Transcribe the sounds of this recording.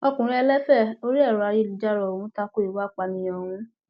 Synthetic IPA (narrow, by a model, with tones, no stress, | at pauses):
ɔ˧kũ˨ɾ̃ĩ˧˦ɛ˧lɛ˦fɛ˦˨o˦ɾi˦ɛ˦˨ɾa˨˧ji˦li˨d͡ʒa˦ɾɔ˨o˨wũ˨˦ta˧ko˦i˨wa˦˨k͡pa˧nĩ˧jɔ̃˨hũ˨˦